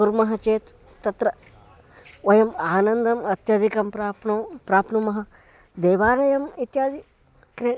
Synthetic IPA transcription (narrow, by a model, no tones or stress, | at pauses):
kuɾmɐɦɐt͡ʃeːt̪ː | ɐt̪ɾɐ | ʋɐjɐmaːnɐnd̪ɐmɐt̪jɐd̪ʱikɐmpɾaːpnɐpɾaːpnumɐɦɐ̆ | d̪eːʋaːɾɐjɐmit̪jaːd̪i | kɾe